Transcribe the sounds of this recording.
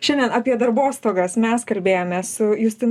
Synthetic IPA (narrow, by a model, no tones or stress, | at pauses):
ʃʲɛnʲd̪ʲɛnɑːpʲiɛd̪ɐɾboːst̪oːɡɐsmʲɛskɐlʲbʲeːjoːmʲeːssʊjʊsʲt̪ʲɪn